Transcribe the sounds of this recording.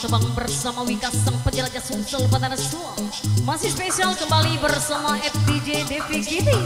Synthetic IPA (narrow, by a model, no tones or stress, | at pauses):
səbaŋbərsamawikasəŋpəd͡ʒəlad͡ʒasusəlupat̪anasuamasihspesialkəmbalibərsamaɛf̚did͡ʒedefikit̪i